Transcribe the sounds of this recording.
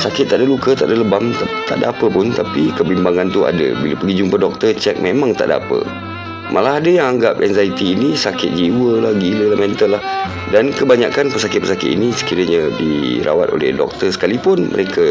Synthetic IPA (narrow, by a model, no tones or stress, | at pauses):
sakɪt̪ːaʔdalukət̪a̰ʔdaləbamt̪at̪a̰ʔdaapəpʊnt̪apikəbimbaŋant̪ua̰da̰bilapəɡid͡ʒumpədɔk̚t̪ərt͡ʃɛk̚memãŋt̪a̰ʔda̰pə̰ | mʔalaɦadajaŋaŋɡap̚ɛnzait̪iːnisakɪt̪̚d͡ʒiwəlahɡiləlahmɛnt̪əlːah | dankəbaɲa̰kanpəsakɪt̪̚pərsakɪt̪ḭnisə̥kiɾəɲadḭɾa̰wat̪o̰lɛ̰hdɔ̰k̚t̪ərsə̥kalipʊnmə̰ɾekʰa